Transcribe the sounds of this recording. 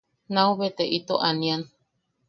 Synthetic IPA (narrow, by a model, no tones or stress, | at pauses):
nauβet̪eʔit̪oʔanian